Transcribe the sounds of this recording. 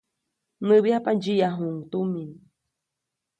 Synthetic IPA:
nɨβiapad͡ʒiaɦuŋt̪umin

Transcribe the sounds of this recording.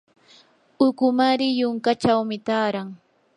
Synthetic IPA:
ʊkʊmaɾɪjʊŋkat͡ʃawmɪt̪aːɾaŋ

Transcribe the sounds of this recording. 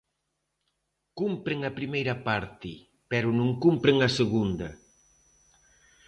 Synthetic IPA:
kumpɾeŋɐpɾimejɾɐpaɾt̪ɪ | pɛɾʊnũŋkumpɾeŋɐseɣund̪ɐ

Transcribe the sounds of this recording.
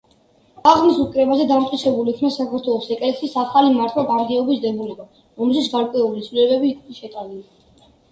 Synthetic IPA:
aʁnisukʼɾɛbazɛd̪amt̪qʼit̪sʰɛbuliːkʰvnasakʰaɾt̪ʰwɛlˠɔsɛkʼlɛksisaχalimaɾt̪ʰwˠaɡʼaɾɡɛɔbisd̪ɛbulɛba | ɾɔmɛlʃit̪sɡaɾkʼwɛulit̪sʰlilɛbɛbiʃɛt̪ʼalili

